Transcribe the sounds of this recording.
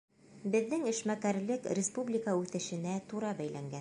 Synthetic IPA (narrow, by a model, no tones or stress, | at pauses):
bɘ̆ðːɘŋɘ̆ʃmækæɾlɘkrʲɪspublʲikaʉθɘ̆ʃɘ̆næt̪uɾɑbæjlæŋɡæ